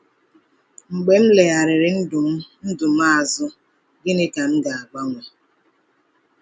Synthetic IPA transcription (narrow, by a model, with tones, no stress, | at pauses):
ŋ͡m̩˨ɡ͡be˨m̩˦le˨a˨ɾɪ˨ɾɪ˨n̩˦dʊ˨m̩˦n̩˦dʊ˨m̩˦a˦a˨zʊ˦ | ɡɪ˦nɪ˦ka˨ŋ̩˦ɡa˨a˨ɡ͡ba˦ŋʷe˨